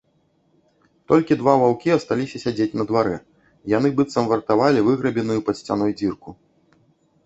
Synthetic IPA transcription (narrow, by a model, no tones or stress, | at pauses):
t̪ɔlʲkʲid̪vavawkʲiɐst̪alʲisʲɐsʲad͡zʲet͡sʲnɐd̪vaɾɛ | janɨbɨt̪sɐmvɐrt̪avalʲivɨɣɾɐbʲɛnɨjupɐt̪sʲt͡sʲan̪ɔjd͡zʲirku